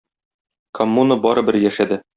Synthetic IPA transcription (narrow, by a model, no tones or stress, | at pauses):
kʰomːunəbɒɾɤbɘɾjæʃæd̪ɘ